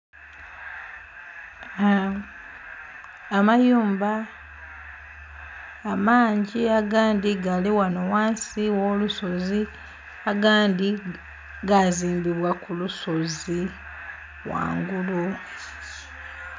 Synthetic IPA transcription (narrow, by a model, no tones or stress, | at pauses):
majuːmba | maːɲɟiaɡaːndiɡaliwanowaːnsiwoluso̞zi | aɡaːndi | ɡaziːmbiβwakuluso̞zi | wa̰ːŋɡulu